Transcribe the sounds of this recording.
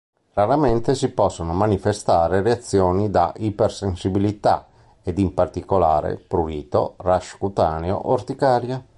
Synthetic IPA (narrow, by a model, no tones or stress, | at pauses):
raɾament̪esipɔsːonomanifest̪aːɾereat̪sːjoːnid̪a̰ʔipersensibilit̪a̰ | ed̪impart̪ikola̰ːɾḛpɾuliːt̪o̰raʃkut̪aːneo̰ʔort̪ikaːɾja